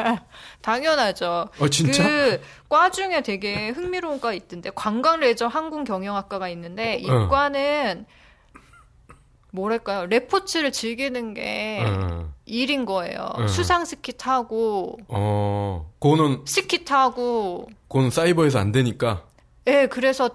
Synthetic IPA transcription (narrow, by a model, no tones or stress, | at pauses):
taŋjʌnad͡ʑoat͡ɕinkɯt͡ɕ͈ak͈wad͡ʑuŋe̞te̞ɡe̞hɯŋmiɾoŋɡait͈ɯnde̞kwaŋɡaŋɾe̞d͡ʑʌɦanɡuŋkjʌŋjʌŋɦak͈aɡainːɯnde̞ik͈wanɯn | moɾaɭk͈ajoɾe̞pʰot͡ɕʰɯɾɯɭt͡ɕiɭɡinɯnɡe̞̰ | iɾinɡʌe̞̰jo̰sʰusʰaŋsʰɯ̥kʰitʰaɡoʌ | konɯnsʰɯkʰitʰaɡokonɯns͈aibʌesʰʌandwe̞ɲik͈a | jekɯɾe̞sʰʌ